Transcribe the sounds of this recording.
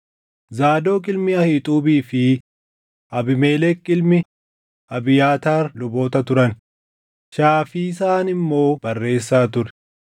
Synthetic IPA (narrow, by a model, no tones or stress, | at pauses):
zaːd̪o̞ːkʼɪlmɪɐhɪt̪ʼuːbiːfɪ | ʔɐbɪme̞ːlɛkːɪlmɪ | ɐbɪjaːt̪aːɾlʊbo̞ːt̪ɐt̪ʊɾɐn | ʃaːfiːsaːnɪmːo̞ːbɐrːe̞ːsːaːt̪ʊɾɛ̥